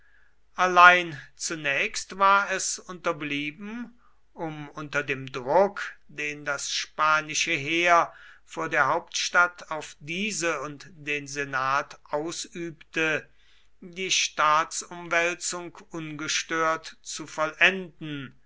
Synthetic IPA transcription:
ʔalaɪnt͡sunɛːçstvaːɐɛsʊntɐbliːbm̩ | ʔʊmʊntɐdeːmdʁʊkd̥eːndasʃpaːnɪʃəɦeːɐfoːɐdeːɐɦaʊptʃtatʰaʊfdiːzəʊntd̥eːnzenaːtʔaʊsʔyːptə | diːʃtaːtsʊmvɛlt͡sʊŋkʔʊnɡəʃtøːɐtt͡sufɔlʔɛndn̩

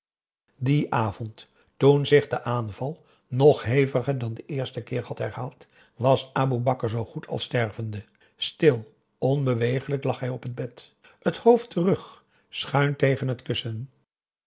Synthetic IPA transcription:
diʔaːvɔntː | unzɪχdəʔaːnv̥ɑlˠ | nɔχɦejvəχəɹdɑndəʔɪːɹstəkɪːɹhɑtɦɛɹhaːlˠt | ʋɑsaːbubɑkəɹzowχutʰɑ̰lˠstɛɹvəndə | stɪlˠ | ʔɔnbəʋejχələklɑχɦɛjɔpəd̚bɛt | əthowftərɵχ | sχœɥntejχənɦətkɵsən

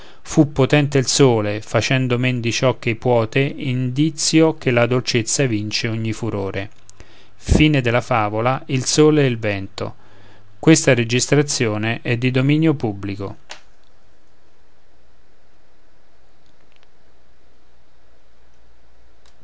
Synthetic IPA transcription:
fupːot̪ɛnt̪eilsoːlefat͡ʃɛnd̪omend̪it͡ʃɔkːepwɔːt̪eind̪it̪sːjok̟elad̪olt͡ʃet̪sːavint͡ʃeoɲːifuɾoːɾʔe | fiːned̪elafaːvolailsoːlɛilvɛnt̪o̰ | kwest̪aɾed͡ʒist̪ɾat̪sːjoːneʔɛd̪ːid̪ominjopubːliko̰

